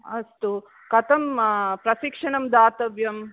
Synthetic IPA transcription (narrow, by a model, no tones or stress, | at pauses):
ɐst̪u | kɐt̪ɐmpɾɐsikʂɐɳɐmd̪aːt̪ɐʋjɐm